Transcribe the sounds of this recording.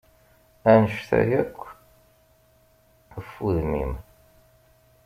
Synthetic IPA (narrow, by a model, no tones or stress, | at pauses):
ænəʃθæ̰jækʷː | əfːuðnḭm